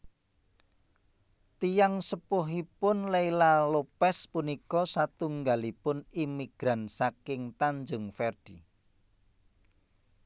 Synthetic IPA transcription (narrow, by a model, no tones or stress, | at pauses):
t̪ijaŋsəpʊɦipʊnleilalopɛspunikɔsat̪uŋɡalipʊnimiɡ̥ɾansakɪŋt̪aɲd͡ʒʊŋfɛrd̥i